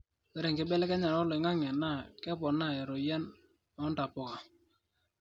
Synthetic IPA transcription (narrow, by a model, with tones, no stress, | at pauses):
ɛ˨˦ɾe˨ŋkɪ˨˦bɛ˦lɛ˦kɛ˦ɲa˨ɾɔ˦lɔ˨ɪ˨ŋa˦ŋɛ˨na˦˨kɛ˦pɔ˨na˦˨ɛ˨ɾo˨ja˦n | ɔ˦nta˨pʊ˨ka˨